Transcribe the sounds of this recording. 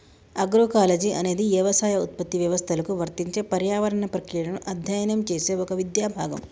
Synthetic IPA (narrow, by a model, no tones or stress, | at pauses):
ɐɡɾoːkaːled͡ʒiɐne̞ːd̪iʋjɐʋɐsaːjɐut̪̚pɐt̪ːiʋjɐʋɐst̪ʰɐlɐkuʋɐɾt̪iɲt͡ʃe̞ːpɐɾjaːʋɐɾɐɳɐpɾɐkɾiːɽɐnuʔɐd̪ʱjɐjɐnɐmt͡ʃeːse̞ːɔkɐʋid̪jaːbʱaːɡɐ̰m